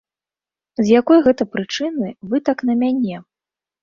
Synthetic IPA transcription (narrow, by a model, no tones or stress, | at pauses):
zjakɔjɣɛt̪ɐpɾɨt͡ʂɨnɨvɨt̪aknɐmʲanʲɛ